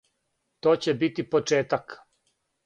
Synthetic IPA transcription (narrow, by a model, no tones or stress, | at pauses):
t̪oːt͡ɕebit̪ipot͡ʂeːt̪ak